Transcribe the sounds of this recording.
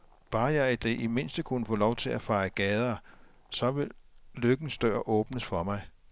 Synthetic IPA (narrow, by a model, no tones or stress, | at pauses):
b̥ɑ̈ːjɑ̈ɪæd̥eʔime̝n̰sd̥əkʰunəfɔ̽ːlɒʊt͡sʰe̝læfɑ̈ɪəɡ̥ɛːð̞ˠɐː | sɒ̽ʋe̝lløɡ̥n̩sd̥ø̰ɐ̰ʔɔ̽ːb̥nəsfɒ̽mɑ̈ɪ